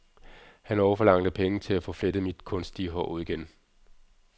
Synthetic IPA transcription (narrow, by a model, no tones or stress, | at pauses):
hænɒʊɐfɒ̽lɑ̈ŋ̰d̥əpʰeŋət͡sʰe̝læfɔ̽fled̥əmid̥kʰɔ̽nsd̥iəɦɒuð̰ˠiɡ̥en